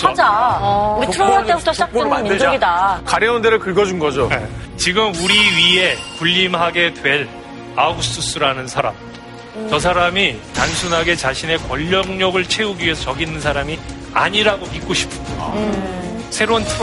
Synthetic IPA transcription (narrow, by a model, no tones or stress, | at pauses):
ad͡ʑa | itʰɯɾoaeut͈oɕʰd͡ʑakennmːidoɡidakaɾjeundeɾɯɭkɯɭɡʌd͡ʑunɡʌd͡ʑot͡ɕiɡɯmuɾiɥie̞kuʎːimɦaɡe̞dwe̞ɾ | aɡus͈ʰɯs͈ɯɾanɯnsʰaɾa̰m | t͡ɕʌsʰaɾamitansʰunɦaɡe̞t͡ɕaɕʰine̞kwʌʎːʌŋɲʌɡɯɭt͡ɕʰe̞uɡiɥie̞sʰʌt͡ɕʌɡinːɯnsʰaɾami | a̰ɲiɾaɡomik͈̚oɕʰi̥pʰɯ | sʰe̞ɾontʰ